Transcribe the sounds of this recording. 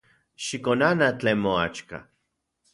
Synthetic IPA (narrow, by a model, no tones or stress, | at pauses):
ʃikonanat͡ɬemoa̰t͡ʃka̰